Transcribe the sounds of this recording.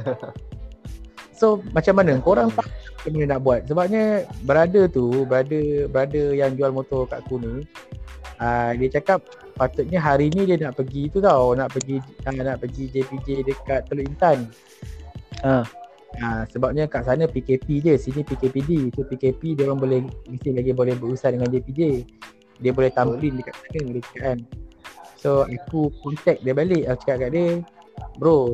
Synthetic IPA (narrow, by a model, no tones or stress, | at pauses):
somat͡ʃamːanəŋkoɾaŋt̪aaamanənaʔbuat̪̚səbap̚ɲəbəɾadət̪ubəɾadəbəɾadəjaŋd͡ʒualmot̪ɔka̰ʔkuni | ədiət͡ʃakap̚ː | at̪ʊt̪̚ɲəɦaɾinidiənaʔpəɡit̪ut̪awnaʔpəɡiənaʔpəɡid͡ʒepid͡ʒedəkat̪ːəloint̪an | ə̃h | asəbap̚ɲəkaʔsanəpikepid͡ʒəsinipikepidit̪upikepidiaɾaŋbolɛhmisɪhlaɡibolɛhbəɾusahdəŋand͡ʒepid͡ʒe | diəbolɛht̪aməʔlindəkaʔsanəadəkə̥kaʔan | soakukɔnt̪ɛk̚diəbalɪʔakt͡ʃə̥kakaʔdiəbəɾo